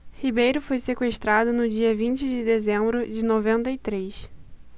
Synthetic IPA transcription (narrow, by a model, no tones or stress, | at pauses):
hibejɾʊfojsekweʃt̪ɾad̪ʊnʊd͡ʒiɐvĩnt͡ʃɪd͡ʒɪd̪ezẽmbɾʊd͡ʒɪnovẽnt̪ɐit̪ɾes